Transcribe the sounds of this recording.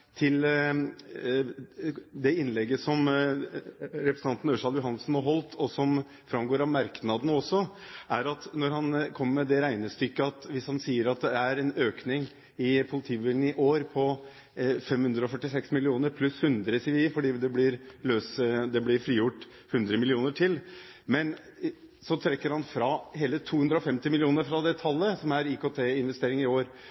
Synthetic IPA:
t̪ʰɪl | d̪ɛɪnlɛɡːəsɔm | ɾɛpɾəsnʰɑnt̪nøːʂɑːljʊɦɑnl̩sn̩hɑɾɦɔlt̪ʰɔsɔm | fɾɑmɡoːɾɑmɑɾknɑd̪nɔsːɔʔæɾɑt̪nɔɾhɑnkʰɔmːəɾmɛd̪ɛɾæɪnəst̪ʏkːəɑt̪ʋɪshɑnsiːəɾɑt̪̚d̪ɛæɾɛnøːknɪŋ | ɪpʰʊlɪt̪ʰiːbɪlən̩ɪʔoːɾpʰɔ | fɛmhʉnd̪ɾəɔfœʈːɪsɛksmɪlɪuːnəɾpʰlʉshʉnd̪ɾəsɪʋiːəfɔɖiːd̪ɛblɪɾløːsd̪ɛblɪɾfɾiːjʊʈː | hʉnd̪ɾəmɪlɪuːnəʈʰɪl | mɛn | sɔt̪ʰɾɛkːəɾhɑnfɾɑheːlət̪ʰuːhʉnd̪ɾɔfɛmt̪ɪmɪlɪuːnəɾfɾɑd̪ɛt̪ʰɑlːəsɔmæɾikoːt̪ʰeːɪnʋɛst̪eːɾɪŋɪoːɾ

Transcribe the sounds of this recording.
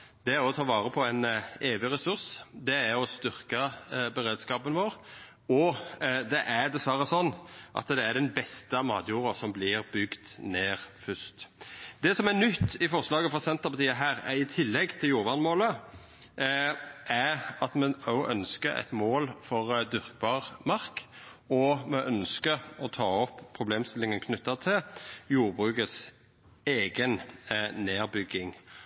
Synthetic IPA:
d̪̥ɛæɾɔt̪ʰɑːʋɑːɾəpʰɔæɪneːʋɪɾɛsʉɾsd̪ɛæɾɔst̪ʏɾkɑbɛɾeːd̪skɑːpənʋoːɾ | ɔd̪ɛʔæd̪ɛsʋæɾəsɔnːʔɑ̰t̪d̪ɛæɖ̪ɛnbɛst̪əmɑːd̪juːɾəsɔmblɪɾbʏɡt̪neːɾfʏst̪d̪ɛsɔmænʏt̪ːɪfɔʁslɑːɡəfɾɑsɛnt̪əpɑt̪ʰiːɑɦæːɾɛɪt̪ʰɪlːɛɡt̪ʰɪljuːɾʋɑnmoːlə | ʔæɾɑt̪mɛɔʔœnskəɾæ̰ɪt̪moːlfɔʁd̪ʏʁk̚bɑːʁmɑʁk | ɔmɛʔœnskəɔt̪ʰɑːɔpːʰɾʊbleːmst̪ɪlːɪŋənkʰnʉt̪ːət̪ʰɪljuːʁbʁʉːkəs | eːɡənneːʁbʏɡːɪŋ

